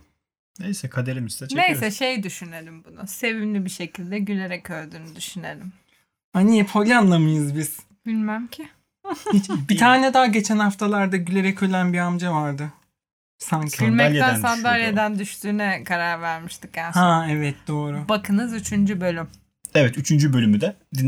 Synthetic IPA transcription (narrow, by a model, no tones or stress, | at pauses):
nejsɛkʰad̪eɾimsd̪ɛt͡ʃnejsɛʃe̞jd̪yʃyne̞lʲimbunʊse̞vimlʲibiʃe̞cʰilʲd̪ɛɟylʲe̞ɾɛcʰøɾd̪yːnyd̪yʃyne̞lʲim | anijɛpʰolʲanlˠamajɯzbiz̥ | b̥ilʲmæmcʰɪ | hit͡ʃbit̪ʰaːnɛd̪aːɟe̞t͡ʃʰænhaft̪ʰalˠaɾd̪aɟylʲe̞ɾɛcʰølʲænbiamd͡ʒavaɾd̪ɯ | saɲcʰiilʲmɛænsand̪aljed̪ænd̪yʃt̪ʰyːnɛkʰaɾaɾvæɾmiʃt̪ʰɯ̥kjahaɛvɛt̪̚d̪o̞ːɾubakʰɯnɯzyt͡ʃʰynd͡ʒybø̞lʲym | ɛvɛt̪yt͡ʃʰynd͡ʒybølʲymyd̪ɛd̪i